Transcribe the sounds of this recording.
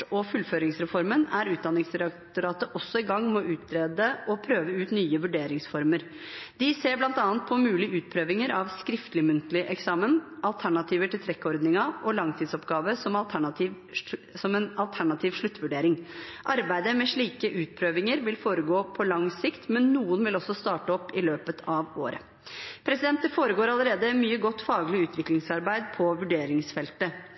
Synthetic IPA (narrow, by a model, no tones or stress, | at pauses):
ʈɔfʉlføːɾɪŋsɾɛfɔɾmənæɾʉːt̪̚d̪ɑnɪŋsɾɑktt̪ʊɾɑːt̪əʔɔsːɔɪɡɑŋːmɔʔʉːt̪̚ɾeːd̪əʔɔpʰɾøːʋəʉːt̪nyːəʋʉɖeːɾɪŋsfɔɾməɾ | d̪ɪseːɾblɑnt̪ɑːnt̪̚pʰɔmʉːlɪʔʉːt̪̚pʰɾøːʋɪŋəɾʔɑʋskɾɪft̪lɪmʉnt̪əlɪʔɛksɑːmənʔɑlt̪ʰæɳɑt̪ʰiːʋəʈɪlt̪ʰɾɛkːɔɾd̪nɪŋɑʔɔlɑŋt̪ʰiːd̪sɔpɡɑːʋəsɔmɑlt̪ʰæɳɑt̪iːʋ | sɔmɛnɑlt̪ʰæɳɑt̪ʰiːʋʂɭʉt̪ːʋʉɖeːɾɪŋʔɑɾbæɪd̪əmɛʂɭiːkəʔʉːt̪̚pʰɾøːʋɪŋəɾʋɪlfoːɾəɡoːpʰɔlɑŋsɪkt̪mɛnːuːənʋɪlɔsːɔst̪ɑːʈəɔpːɪløːpət̪ʰɑʋo̰ːɾə̰ | pʰɾɛsɪd̪ɛnt̪ːəfoːɾəɡoːɾɑləɾeːd̪əmyːəɡɔt̪ːfɑːɡlɪʉːt̪ʰʋɪklɪŋsɑɾbæɪd̪pʰɔʋʉɖeːɾɪŋsfɛlt̪ə